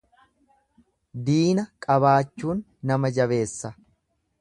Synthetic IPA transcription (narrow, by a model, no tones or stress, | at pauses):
d̪iːnɐkʼɐβaːt͡ʃːuːnːɐmɐd͡ʒɐβe̞ːsːɐ